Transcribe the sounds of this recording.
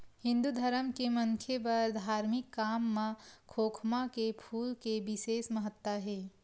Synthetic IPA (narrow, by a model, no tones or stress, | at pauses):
hɪ̃nd̪ud̪ʱəɾəmkemɐŋkʰjep̬ɐɾd̪ʱaːɾmɪkːaːmːãkʰoːkʰmakepʰuːlkeʋɪseːsməɦət̪wəɦɛː